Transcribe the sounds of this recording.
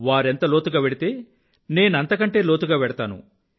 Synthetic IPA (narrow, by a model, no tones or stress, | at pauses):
ʋaːɾent̪ɐlo̞ːt̪uɡaːʋeɽit̪e̞ː | ne̞ːnuɐnt̪ɐkɐɳʈe̞ːlo̞ːt̪uɡaːʋɛɽɐt̪aːnṵ